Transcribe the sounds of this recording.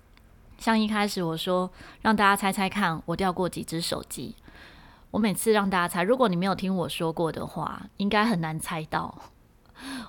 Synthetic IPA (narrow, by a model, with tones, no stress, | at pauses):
ɕjɑ˥˧ŋi˥˧kʰa˥ɪʂɻ̩˨˩˦wɔ˨˩ʂwɔ˥ɻɑ˥˩ŋt̪a˥˩t͡ɕja˥t͡sʰa˥ɪt͡sʰa˥ɪkʰa˥˩nwɔ˨˩t̪jɑ˥˧ʊkwɔ˥˩t͡ɕḭ˨˩ʈ͡ʂɻ̩˦˥ʂo̰˨˩ʊt͡ɕḭ˦ | wɔ˧˥me˨˩ɪt͡sʰɹ̩˥˧ɻɑ˥˧ŋt̪a˥˩t͡ɕa˥t͡sʰa˥ɪɻu˧˥kwɔ˨˦ni˨˩e˧˥jo˨˩ʊt̪ʰi˥ŋwɔ˨˩ʂwɔ˥kwɔ˥˩d̪ə̰˩xwa̰˥˩i˦ŋka˥ɪxə˨˩nna˧˦nt͡sʰa˦ɪt̪ɑ˥˩ʊ